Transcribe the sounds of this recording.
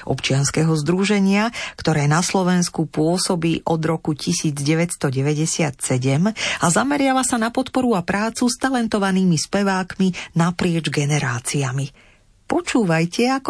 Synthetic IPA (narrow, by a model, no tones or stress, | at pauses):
ʔɔ̰pt͡ʃɪanskɛɦɔzd̪ɾuʒɛɲɪakt̪ɔɾɛːnaslɔʋɛnskupʊɔsɔbiːʔɔd̪ɾɔkucisiːd͡zɟɛʋɛcst̪ɔɟɛʋɛɟɛsɪat̪sɛɟɛmazamɛɾɪaʋasanapɔt̪pɔɾuapɾaːt͡sust̪alɛnt̪ɔʋaniːmispɛʋaːkminapɾɪɛd͡ʒɡɛnɛɾaːt͡siami | pɔt͡ʃuːʋajcɛak